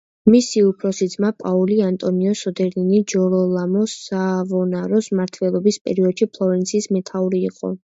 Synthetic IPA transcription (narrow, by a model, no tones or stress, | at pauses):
misiupʰɾɔsid̪zmapʼauliant̪ʼɔniɔsɔd̪ɛɾd̪inid͡ʒɔɾɔlˠamɔsavɔnaɾɔsmaɾt̪ʰvɛlˠɔbispʼɛ̰ɾiɔd̪̥ʃipʰlˠɔvɛnt̪sʰiːsmɛt̪ʰauɾiːqʼɔ̰